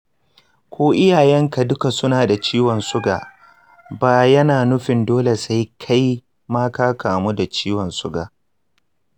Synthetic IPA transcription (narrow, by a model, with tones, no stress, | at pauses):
kʷoː˦ʔɪ˦jaː˨jɛ˦ŋka˨dʊ˦ka˨sʊ˦naː˨da˨t͡ʃiː˦wɔ˨nsʊ˦ɡaː˨ | baː˨jɐ˦naː˨nʊ˦ɸɪ˨ndoː˦le˨sa˦jkʰa˦j | maː˦kaː˦kaː˨mu˦da˨t͡ʃiː˦wɔ˨nsʊ˦ɡaː˨